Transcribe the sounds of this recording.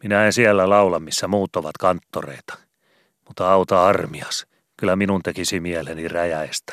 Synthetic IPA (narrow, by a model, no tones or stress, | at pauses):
minæensiælːælɑulɑmmisːæmuːt̪ːoʋɑt̪kɑnt̪ːorḛit̪ɑ̥ | mut̪ːɑɑut̪ɑɑrmiɑs | kylæminunt̪ekisimiæleniræjæest̪æ̥